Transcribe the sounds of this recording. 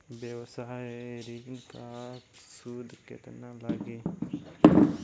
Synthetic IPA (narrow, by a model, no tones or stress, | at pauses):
bjewsaɦeɾiknkasud̪kḛt̪nalaːɡe